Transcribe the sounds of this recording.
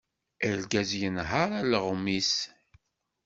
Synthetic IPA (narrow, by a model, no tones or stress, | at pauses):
əlɡæzjənɦəɾˤaləʁmis